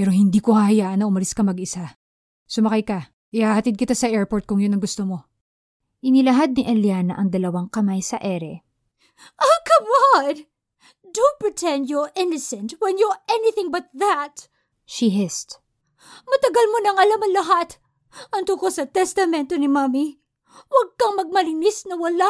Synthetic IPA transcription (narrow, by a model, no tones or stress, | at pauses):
pɛːɾo̞hɪnd̪iːkohɐhɐjaːʔɐnːɐʔʊmɐlɪskɐmɐɡɪsa | sʊmɐkajkɐ | ʔɪhahɐt̪id̪̚kɪt̪asɐʔɛɹpoɹt̪̚kʊŋjonɐŋɡʊst̪omo̞ | ʔɪnɪlɐɦad̪̚nɪʔɐljanɐ̰ʔɐŋd̪ɐlɐwaŋkɐmajsɐʔɛɾɛ | ʔɐkʰɐman | d̪opɹɪt̪ʰɛ̃nd̪jɔʔɪnosɛ̃nswɛnjɔɛnɪθɪ̃ŋbɐt̪̚ðɐt̪ | ʃiɦɪst̪ | mɐt̪ɐɡalmonɐŋɐlamɐŋlɐɦat̪ | ʔɐnt̪ukosɐt̪ɛst̪ɐmɛnt̪onɪmami | wɐɡ̚kɐŋmɐɡ̚mɐlɪnɪsnɐwɐla